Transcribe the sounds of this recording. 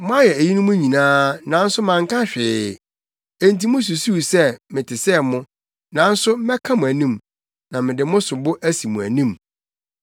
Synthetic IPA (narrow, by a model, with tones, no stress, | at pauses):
mʊ̃˦a˦jɛ˨æ˨ji˦nʊ̃˦mʊ̃˦ɲĩ˨nãː˦nã˨˦n̩˦sʊ˦mã˨ŋ˦kʰa˦ɕᶣɪ˨ | e˨nt̬i˨mʊ̃˦s̬u˨su˦˨sɛ˦mɪ̃˨tʰɪ˨sɛ˦˨mʊ̃˦ | nã˨˦n̩˦sʊ˦mɛ˦kʰã˦mʊ̃˨æ˨nĩ˦m | nã˨mɪ̃˨dɪ˨mʊ̃˦sʊ˨bʊ˦ʔæ˦si˨mʊ̃˨æ̰˨nĩ˦˨m